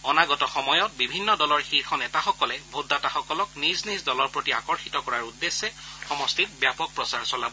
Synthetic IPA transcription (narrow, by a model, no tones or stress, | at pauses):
ɔnaɡɔtɔxɔmɔjɔt̚bibʱinːɔdɔlɔɹxiɹxɔnɛtaxɔkɔlɛbʱodːataxɔkɔlɔkniznisdɔlɔɹpɹotiakɔɹxitɔkɔɹaɹudːesːɛxɔmɔstit̚bjapɔk̚pɹɔsaɹsɔlabɔ